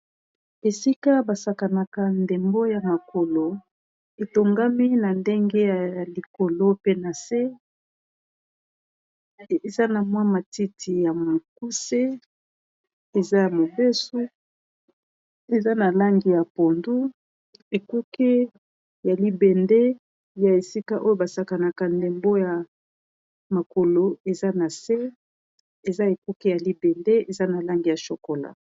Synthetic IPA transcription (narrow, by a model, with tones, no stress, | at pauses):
e˨si˦ka˦ba˨sa˨ka˨na˨ka˦nde˨mbo˦ja˨ma˨ko˨lo˨ | e˨to˨ŋɡa˦mi˦na˨nde˦ŋɡe˦ja˨li˨ko˨lo˦pe˦na˨se˦ | e˨za˦na˨mwa˦ma˨ti˦ti˨ja˨mo˨ku˦se˦ | e˨za˦ja˨mo˨be˦su˦ | e˨za˦na˨la˦ŋɡi˨ja˨po˨ndu˦ | e˨ku˦ke˦ | ja˨li˦be˨nde˦ | ja˨e˨si˦ka˦ʔo˦jo˦ba˨sa˦ka˨na˨ka˨nde˨mbo˦ja˨ | ma˨ko˨lo˨e˨za˦na˨se˦ | e˨za˦e˨ku˦ke˦ja˨li˦bɛ˨nde˦e˨za˦na˨la˦ŋɡi˨ja˨ʃo˨ko˨la̰˨